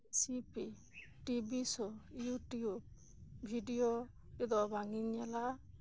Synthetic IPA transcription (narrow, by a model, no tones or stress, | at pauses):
sipi | ʈibisɔjuʈjub̚ | bʱiɖijo | kid̪ɔbaŋiɲɛla